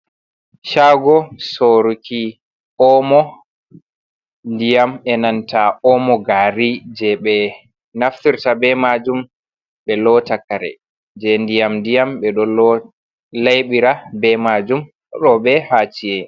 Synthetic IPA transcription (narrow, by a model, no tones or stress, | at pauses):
ʃaɡɔsoɾukʰi | ʔɔmɔ | ndijamɛnantaɔmɔɡaɾid͡ʒɛɓɛ | naftiɾtabɛmad͡ʒum | ɓɛlɔtakːaɾɛ̰ | d͡ʒɛndijamndijamɓɛɗɔlɔ | lajɓiɾabɛmad͡ʒum | ɗɔɓɛhaːt͡ʃiɛ